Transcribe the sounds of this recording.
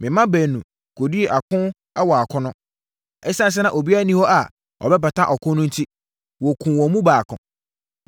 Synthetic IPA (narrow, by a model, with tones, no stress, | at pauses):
mɪ̃˨mã˦bæː˨nũ˨ | kʰo˨di˦e˨ʔa˨kʰʊ̃˦ | ɛ˦wɔ˨a˨kʰʊ̃˦nʊ̃˦˨ | ɛ˦sã˦˨s̬ɛ˦nã˦˨ʔo˨bi˦a˦˨nĩ˦hɔ˦ʔa˨ | ɔ̰˨bɛ˦pa˨tʰã˦ʔɔ˨kʰʊ̃˦nʊ̃˦n̩˦tʰi˦ | wɔ˨kʰũ˨wɔ̃˨mũ˦baː˨kʰʊ̰̃˨